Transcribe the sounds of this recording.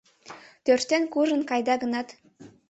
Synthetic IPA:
t̪ørt̪ːenkuʒə̆nkɑjd̪ɑɡə̆nɑt̪

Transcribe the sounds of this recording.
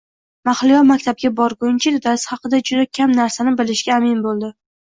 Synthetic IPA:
maχlɪjɒmakʲt̪ʰab̚ɡʲabɒɾɡʊnt͡ʃʰɪd̪ɪd̪asχɑqɨd̪ad͡ʒʊd̪akʲʰamnaɾsanɪbɪlɪʃɡʲaːmɪnbolˠd̪ɪ

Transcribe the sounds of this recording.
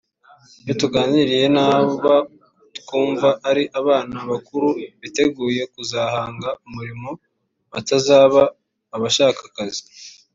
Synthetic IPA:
jotuɡaːɲiɾije̞naːβa | tu̥kuːɱvaʔːɾiʔaβaːnaβakuɾuβite̞ɡuːje̞kuzaːhaːŋɡaumuɾimo̞ | βatazaːβaː | βaʃaːkḁkazi̥

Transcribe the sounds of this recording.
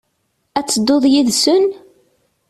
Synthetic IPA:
æt͡sːəd̪ːoðˤjiðsən

